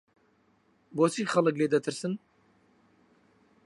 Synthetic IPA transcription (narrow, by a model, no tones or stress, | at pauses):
boːt͡ʃʰiːχɐlˠɨkleːd̪ɐt̪ʰɨɾsɨn